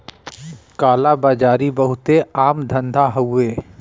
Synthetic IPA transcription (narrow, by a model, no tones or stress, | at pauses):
kaːlabaːd͡ʒaːɾibəɦʊt̪eaːmd̪ʱə̃nd̪ʱaɦɐwːeː